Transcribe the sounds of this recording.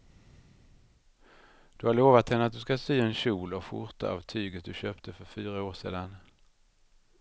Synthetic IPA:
d̪̥ɵhaɭoːvat̪hɛnːəat̪̚d̪ɵskasyːɛnɕuːlɔfʊ̰ɾt̪a̰ʔa̰vt̪ʰyːɡət̪̚d̪ɵɕøːpt̪ʰəfœɾfyːɾaoːʂḛːd̪an

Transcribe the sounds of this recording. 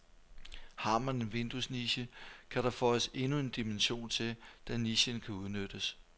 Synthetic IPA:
hɑ̈mæne̝nʋe̝nd̥usniɕəkʰæɾ̥ɑ̈fɒse̝nue̝nd̥imenɕo̝̰ːnt͡sʰe̝d̥æniɕənkʰæuðˠnød̥əs

